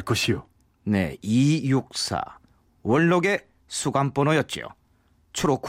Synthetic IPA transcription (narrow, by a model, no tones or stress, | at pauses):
ɭk͈ʌɕʰijo | ne̞̰ijuk̚s͈ʰa̰ | wʌɭːoɡe̞ | sʰuɡamp͈onojʌt̚t͡ɕ͈io̰ | t͡ɕʰuɾokʰ